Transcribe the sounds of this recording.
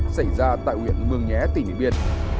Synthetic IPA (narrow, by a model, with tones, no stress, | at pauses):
sa˧˩jzaː˧t̪a̰ː˧˨jhwi˧˨ənmɨ˨˩əŋŋɛ˨˦t̪i˧˩nḭ˧˨ɓi˧ən